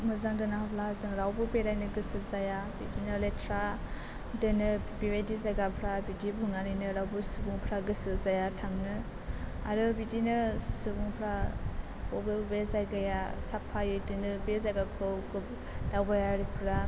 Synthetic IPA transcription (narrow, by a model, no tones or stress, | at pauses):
mɯzaŋdɯnahapʰlahazɯŋɾawbɯbeɾajnɯɡɯsɯzajabidinɯletʰɾa | dɯnɯ | biwedizaɡapʰɾabidibuŋanɯjnɯɾawbusubuŋpʰɾaɡɯsɯzajatʰaŋnɯ | a̰ɾɯbidinɯsubuŋpʰɾa | bɔbɯbezajɡajasapʰːajɯdɯnɯbezaɡakʰɯwɡɯ | dawbajaɾipʰɾa